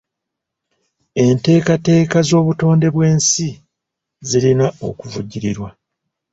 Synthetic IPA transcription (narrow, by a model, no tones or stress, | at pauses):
e̞nte̞ːkate̞ːkazo̞ːβuto̞ːnde̞βwe̞ːnsi | zilinao̞̰kuvuɟːiɾiɾwa